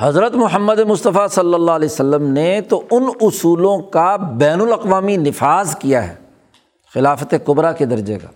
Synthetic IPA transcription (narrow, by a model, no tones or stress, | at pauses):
hɐzɾət̪mʊɦəmːəd̪emʊst̪əfasɐlːəlːaɦlɛsəlːəmnet̪oʊnʊsuːlõkabɛːnʊlɐqʋaːminɪfaːzkijaɦɛ̰ː | xɪlaːfət̪ekʊbɾaked̪ɐɾd͡ʒḛːɡa̰ː